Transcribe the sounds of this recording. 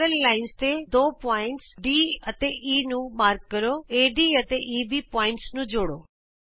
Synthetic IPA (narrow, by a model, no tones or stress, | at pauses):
əllaːɪnst̪ed̪oːpaːɪ̃ɳʈsɖiːɐt̪eʔiːnũmaːɾkːɐɾoeːɖiːɐt̪eʔiːbʱipɔːɪ̃ɳʈsnũd͡ʑoːɽoː